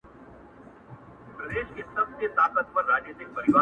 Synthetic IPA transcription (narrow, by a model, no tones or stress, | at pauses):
pɾəd̪eːʃkisəbst̪eːt̪aːkət̪̚pəɾːaːd͡ʒneːt̪ɪk̚pɐɾɪʋaː